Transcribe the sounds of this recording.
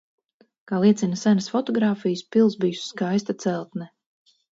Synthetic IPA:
kaːlˠiɛt̪sinasanɐsfɔt̪ɔɡɾaːfijɨspilˠsbijusːkajs̬t̪at̪sɛlˠt̪nɛ

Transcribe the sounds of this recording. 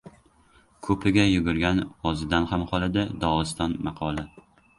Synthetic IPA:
kʰɵpʰɪɡʲajʊɡʊɾɡʲanɒzɪd̪anhamhɒlˠɪd̪ɪd̪ɒɨst̪ɒnmɑqʰɒlˠa

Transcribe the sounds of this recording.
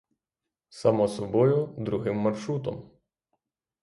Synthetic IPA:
sɐmɔsɔbɔjʊd̪ɾʊɦɪmːɐrʃɾut̪ɔ̰m

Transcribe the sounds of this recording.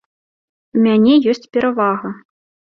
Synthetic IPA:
umʲanʲɛjɔsʲt͡sʲpʲɛɾavaɣɐ

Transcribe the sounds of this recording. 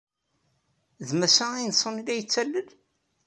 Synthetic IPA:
ðmæsææjnsˤːənilæjət͡sːælːəl

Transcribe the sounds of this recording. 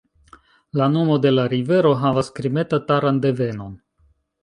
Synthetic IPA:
lano̞mo̞de̞laɾive̞ɾo̞ɦavaskɾime̞tataɾande̞ve̞no̞n

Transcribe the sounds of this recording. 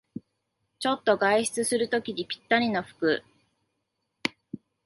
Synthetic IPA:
t͡ɕo̞t̪ːo̞ɡaiɕi̥t͡sɨsɨɾɯ̟t̪o̞kʲiɲipʲi̥t̪ːaɲ̟ino̞ɸɯ̥kɯ

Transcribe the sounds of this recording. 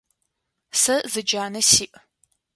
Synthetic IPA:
sɐzɨd͡ʒaːnɐsiːʔ

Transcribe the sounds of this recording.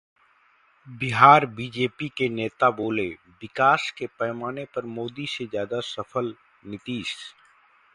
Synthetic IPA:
bɪɦaːɾbiːd͡ʒeːpikeneːt̪aboːle | bɪkaːskepɛːmaːnepɐɾmoːd̪isezjaːd̪asɐfʰəl | nɪt̪iːs

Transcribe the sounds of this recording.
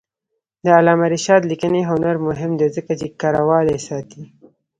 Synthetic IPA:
d̪əalɑmaɾɪʃɑːd̪likəneɦʊnaɾmʊɦɪmd̪ezəkat͡ʃekɑɾawɑd̪esɑːt̪i

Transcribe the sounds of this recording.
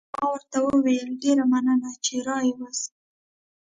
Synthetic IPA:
mɑwəɾt̪awəwejəlɖeɾamanənat͡ʃeɾɑjwas

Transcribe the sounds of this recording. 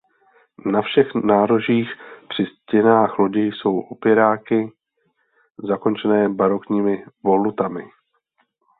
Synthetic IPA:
nafʃɛxnaːɾo̞ʒiːxpr̥ɪscɛnaːxlo̞ɟɛjso̞wʔopɪɾaːkɪ | zako̞nt͡ʃɛnɛːbaɾo̞kɲiːmɪvo̞lut̪amɪ

